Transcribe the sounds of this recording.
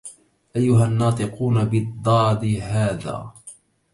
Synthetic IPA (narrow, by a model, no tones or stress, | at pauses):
ʔajːʊɦanːɑːt̪ˤɨquːnabɪd̪ˤːɑːd̪iɦaːða̰ː